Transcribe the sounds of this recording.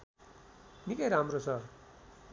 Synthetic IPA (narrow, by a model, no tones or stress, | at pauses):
nikʌjɾɦamrosʌr